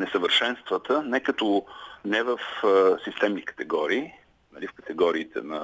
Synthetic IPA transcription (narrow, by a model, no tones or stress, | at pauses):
nɛsəvəɾʃɛnst̪vət̪ənɛkət̪ɔnɛvəfsist̪ɛmnikə̥t̪ɛɡɔɾiː | nɐlifkət̪ɛɡɔɾiːt̪ʰɛ̰nɐ